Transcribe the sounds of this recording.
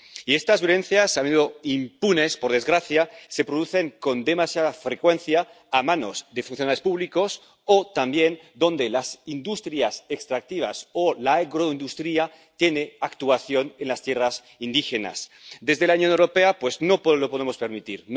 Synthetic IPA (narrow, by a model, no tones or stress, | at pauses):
iest̪azβjolẽ̞nθjasamenuðoimpune̞spo̞ɾðe̞zɣɾaθjasepɾo̞ðuθe̞ŋko̞nd̪e̞masjaðafɾekwe̞nθjaː | mano̞̰zd̪e̞funθjonale̞spuβliko̞s | ot̪ambje̞n | d̪o̞nd̪elasind̪ust̪ɾiasekst̪ɾak̚t̪iβ̞a̰solaeɣɾoind̪ust̪ɾia | t̪je̞neakt̪uaθjo̞ne̞nlast̪jeras | ind̪ixena̰sd̪e̞zðelaunjonewɾo̞pe̞apwe̞zno̞plo̞po̞ðemo̞speɾmit̪iɾn